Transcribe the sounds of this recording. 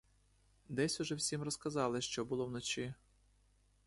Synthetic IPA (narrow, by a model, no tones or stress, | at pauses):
d̪ɛsʲʊʒɛwsʲimrɔskɐzɑlˠɪʃt͡ʃɔbʊlˠɔwnɔt͡ʃi